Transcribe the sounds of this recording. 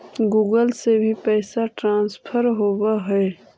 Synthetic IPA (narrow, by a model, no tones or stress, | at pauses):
ɡuːɡəlsebʱipɛːsaʈɾãːnspʰəɾɦoːwaɦɛe